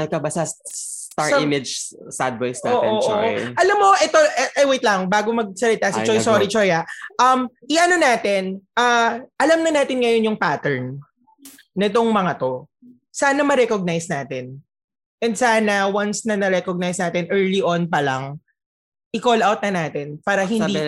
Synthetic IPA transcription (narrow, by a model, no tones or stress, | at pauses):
ɐkɐbasɐs | t̪aɹsɪmɪd͡ʒ | sa̰d̪̚vojsnaoːʔoːʔoʔʔɐlɐmːo̞ʔɛt̪oʔɛʔɐjwɛjt̪lɐŋbaːɡomɐɡ̚sɐlɪt̪asɪt͡ʃɔjsoːɾit͡ʃojaʔʔɐmʔɪʔɐno̞naːt̪ɪnʔaːʔɐlɐmnɐnaːt̪ɪnŋɐjo̞njʊŋpaːt̪ɛɹnː | ɪt̪o̞ŋmɐŋɐt̪o̞ | saːnɐmɐɾɛkoɡ̚najsnaːt̪ɛn | ʔɛnd̪saːnɐwansnɐnɐɾɛkoɡ̚najsnaːt̪ɪnʔɛɹliʔonpɐlɐŋ | ʔɪkolʔawt̪̚nɐnaːt̪ɛnpaːɾɐɦɪni